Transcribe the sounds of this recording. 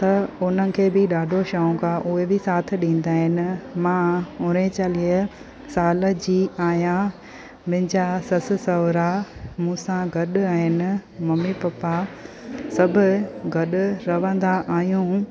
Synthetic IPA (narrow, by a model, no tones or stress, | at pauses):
t̪ɐʊn̤ənɪ̆kʰeːbɪɗaːɖʱoʃɐũkaʔʊɦebɪsaːt̪ʰɪɗĩːn̆d̪aːɦɪnɪ̆mãːʊɾẽt͡ɕaːliə | saːləd͡ʑiːaːjã | mɪ̃ɪ̃ɲd͡ʑasɐsɪ̆sɐʋɾamũːsãɡʱɐɗʊaːɦɪnɪ̆mɐmipɐpa | sɐbʱʊɡʱɐɗʊɾɐʋə̃nd̪aʔaːɦijũː